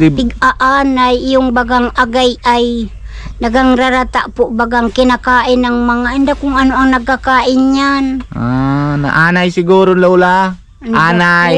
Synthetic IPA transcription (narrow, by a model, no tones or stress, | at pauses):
d̪ɪɪɡaʔaːnajɪjʊŋbaɡaŋaɡajʔaj | naɡaŋɾaɾat̪aʔpʊʔbaɡaŋkɪnakaːʔɪnaŋmaŋaʔɪnd̪akʊŋanoʔaŋnɐɡ̚kakaːʔɪnɲanʔana̰ʔaːnajsɪɡuɾonlaula | aːnaj